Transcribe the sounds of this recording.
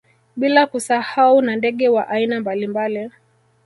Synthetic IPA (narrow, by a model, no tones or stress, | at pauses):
ɓilakusahaunandɛɠɛwaʔainambalimbali